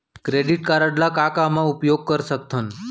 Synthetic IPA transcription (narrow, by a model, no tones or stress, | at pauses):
kɾeɖiʈkaɾəɖlakakamãupjoɡ̚kəɾʃək̚t̪ʰən